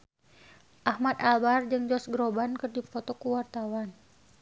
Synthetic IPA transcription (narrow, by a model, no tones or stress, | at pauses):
ʔahmat̪albard͡ʒɨŋd͡ʒɔsɡɾobankɨrdifɔt̪ɔkuwart̪awan